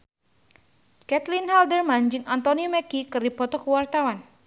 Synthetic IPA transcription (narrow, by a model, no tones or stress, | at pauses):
kɛt̪linɦaldərmand͡ʒɨŋant̪ɔniumɛkikɨrdipɔt̪ɔkəwart̪awan